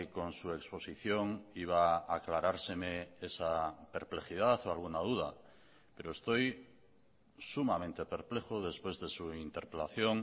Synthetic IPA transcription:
ko̞nsue̞kspo̞siθjo̞ŋiβ̞aːklaɾaɾse̞meesape̞ɾple̞xið̞aθoalɣunaðuð̞a | pe̞ɾoest̪o̞j | sumamẽ̞nt̪e̞pe̞ɾple̞xoðe̞spwezðe̞suint̪e̞ɾpelaθjo̞ŋ

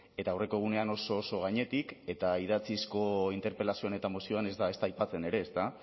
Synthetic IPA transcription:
e̞t̪aːwre̞ko̞ɣ̞une̞ano̞so̞ːso̞ɣ̞aɲe̞t̪ike̞t̪aið̞at͡sisko̞int̪e̞ɾpe̞lasio̞ane̞t̪amosio̞ane̞zd̪ae̞st̪ajpat͡se̞ne̞ɾe̞ːst̪a

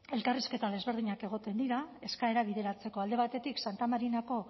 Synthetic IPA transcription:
e̞lkariske̞t̪aðe̞zβe̞ɾð̞iɲake̞ɣ̞o̞t̪e̞nd̪iɾae̞skaeɾaβ̞iðe̞ɾat͡se̞ko̞ald̪e̞β̞at̪e̞t̪iksant̪amaɾinako̞

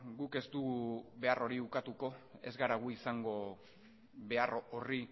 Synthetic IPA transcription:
ɡuke̞st̪uɣuβe̞arʔo̞ɾiukat̪uko̞e̞zɡaɾaɣ̞uisaŋɡo̞ | βe̞aroori

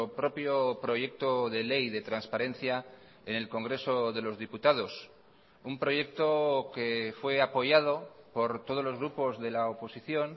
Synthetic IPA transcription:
pɾo̞pjopɾo̞ʝe̞k̚t̪oðe̞lejðe̞t̪ɾanspaɾẽ̞nθja | e̞ne̞lko̞ŋɡɾe̞so̞ðe̞lo̞zðiput̪að̞o̞s | umpɾo̞ʝe̞k̚t̪o̞ke̞fwe̞apo̞ʝað̞o̞po̞ɾt̪oð̞o̞zlo̞zɣɾupo̞zðe̞laopo̞siθjo̞n

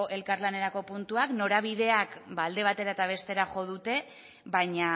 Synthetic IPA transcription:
oʔe̞lkaɾlane̞ɾako̞punt̪uakno̞ɾaβ̞iðe̞akbald̪e̞β̞at̪e̞ɾaet̪aβ̞e̞st̪e̞ɾaxo̞ð̞ut̪e̞ | βaɲa

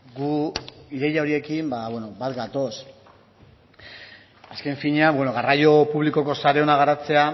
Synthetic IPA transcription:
ɡuiɾe̞jaoɾie̞kimbaβwe̞no̞bat̪ɡat̪o̞s | aske̞ɱfiɲeabwe̞no̞ɣarajo̞puβliko̞ko̞saɾe̞o̞naɣ̞aɾat͡se̞a

